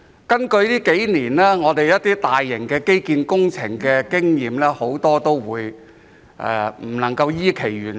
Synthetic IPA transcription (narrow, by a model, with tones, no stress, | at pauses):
kɐ˥nkɵ˧ɥliː˥ke˨˥jniː˨˩nlɛː˥ŋɔː˨˧t̪e˨jɐ˥t̚t̪iː˥t̪aː˨jːɪ˨˩ŋkɛː˧ke˥jkiː˧nkʊ˥ŋt͡sʰɪ˨˩ŋkɛː˧kɪ˥ŋjiː˨mlɛː˥ho˨˥wt̪ɔː˥t̪o˥wwuː˨˧j | ʔɛ̰˨˩m̩˨˩nɐ˨˩ŋkɐ˧wjiː˥kʰe˨˩jɥyː˨˩n